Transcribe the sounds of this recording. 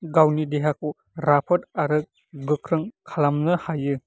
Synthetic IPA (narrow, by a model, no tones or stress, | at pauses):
ɡawnideɦaku | ɾapʰɯt̚aɾɯk̚ | ɡɯkʰɾɯŋkʰalamnɯhajɯ